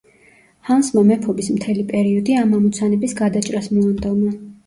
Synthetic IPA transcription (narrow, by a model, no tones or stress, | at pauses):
hansmamɛpʰɔbismt̪ʰɛlipʼɛɾiɔd̪iamamɔt̪sʰanɛbisɡad̪at͡ʃʼɾasmɔand̪ɔma